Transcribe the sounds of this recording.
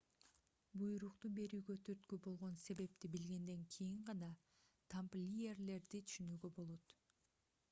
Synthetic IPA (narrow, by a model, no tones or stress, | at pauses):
bujɾuqt̪ube̞ɾyːɡøt̪ʰyɾt̪kybo̞lˠʁo̞nse̞βe̞p̚t̪ibilɡe̞nd̪e̞ŋkʰijiɴʁɑnɑ | t̪ʰamplʲijerle̞ɾd̪it̪ʰy̥ʃynyːɡø̞bo̞lˠo̞t̪